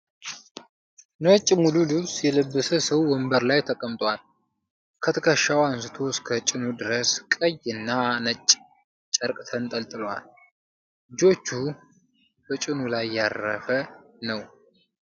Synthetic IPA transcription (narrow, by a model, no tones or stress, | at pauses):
nət͡ʃʼːmululusjɛləbːəsəsəwːɔmbəɾlajt̪ʰəkʼəmt̪ʼwal | kʰət̪ʰəkʰəʃawansɨt̪ʰo̞skʰət͡ʃʼɪnud̪ɨɾəskʼəjɨnːanət͡ʃʼː | t͡ʃʼəɾkʼt̪ʰənt̪ʼəlt̪ʼɨlwa̰l | d͡ʒo̞t͡ʃːu | b̥ət͡ʃʼɪnulajːarːə̰fənəw